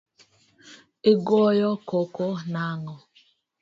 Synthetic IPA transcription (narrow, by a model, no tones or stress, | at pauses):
eɡɔjɔkokonaŋɔ